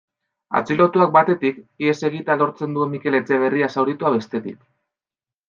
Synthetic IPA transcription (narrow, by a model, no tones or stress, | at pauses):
a̰t͡silo̞t̪uak̚bat̪e̞t̪ikie̞se̞ɣ̞it̪alo̞ɾt͡se̞nd̪ue̞mːike̞le̞t͡se̞β̞e̞riasawɾit̪uaβe̞st̪e̞t̪ḭk̚